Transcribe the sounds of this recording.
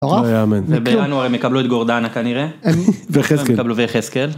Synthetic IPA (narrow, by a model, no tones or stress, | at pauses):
oʁaajamenvebeanuaʁejmekabluet̪ɡo̞ʁd̪anakaniʁeveχesmkekabluveχeskel